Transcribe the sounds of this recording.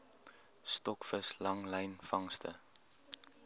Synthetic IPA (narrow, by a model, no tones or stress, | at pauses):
stɔkfəslɐŋlɛjnfɐŋstə̰